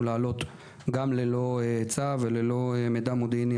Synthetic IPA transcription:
laːlo̞t̪ | ɡamlelo̞t͡savelelo̞emed̪amod̪inj

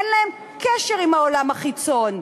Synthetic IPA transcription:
nlaem | keʃeʁimhaolamhaχit͡so̞n

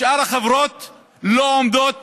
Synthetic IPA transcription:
ʔaɾhaχevɾot̪ | loomd̪ot̪̚

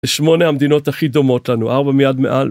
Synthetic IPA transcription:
eʃmo̞nehamd̪ino̞t̪haχid̪o̞mo̞t̪lanuʔaʁbamijad̪mḛʔal

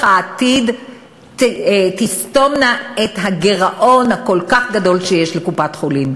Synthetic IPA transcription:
aːt̪id | t̪isto̞mnaet̪ɦaɡeʁaʔo̞nhako̞lkaχɡado̞lʃejeʃlekupatχolim

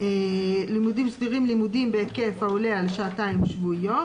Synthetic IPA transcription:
elimudimsdiʁimlimudimbeekefaulealʃaataimʃvujo̞

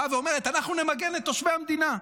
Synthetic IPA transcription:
aveo̞me̞ʁ̞e̞t̪anaχnune̞maɡe̞net̪ːoʃmeamd̪ina

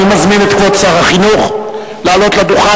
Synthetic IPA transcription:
imazminet̪kvott͡saʁaχinuχ | laːlo̞t̪lad̪uχa

